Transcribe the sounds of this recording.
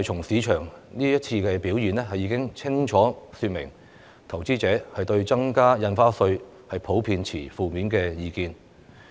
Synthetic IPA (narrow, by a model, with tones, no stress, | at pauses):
jt͡ʃʰʊ˨˩ŋsiː˨˧t͡ʃʰœː˨˩ŋniː˥jɐ˥t̚t͡sʰiː˧kɛː˧piː˨˥wjiː˨nɛ˥ɦɐ˨jːiː˨˥kɪ˥ŋt͡sʰɪ˥ŋt͡ʃʰɔː˨˥syː˧t̚mɪ̰˨˩ŋ | t̪ʰɐ˨˩wt͡siː˥t͡sɛː˨˥hɐ˨jt̪ɵ˧ɥt͡sɐ˥ŋkaː˥jɐ˧nfaː˥sɵ˧ɥ | hɐ˨jpʰo˨˥wpʰiː˧nt͡sʰḭː˨˩fuː˨miː˨˥nkɛː˧jiː˨˧kiː˧n